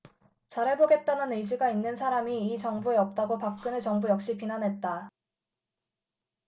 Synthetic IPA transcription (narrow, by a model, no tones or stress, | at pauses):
t͡ɕaɾɦe̞boɡe̞t̚t͈anɯnɯjd͡ʑiɡainːɯnsʰaɾamiːt͡ɕʌŋbue̞ʌp̚t͈aɡopak̚k͈ɯnɯɭt͡ɕʌŋbujʌk̚ɕ͈ipinanɦe̞t̚t͈a